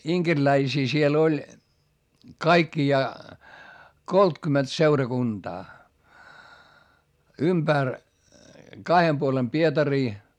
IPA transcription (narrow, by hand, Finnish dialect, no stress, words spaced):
iŋkerlæisiː siel olʲ kɑikːijɑː koltkymet seurɑkund̥ɑː ymb̥ær kɑhem puolem pietɑriː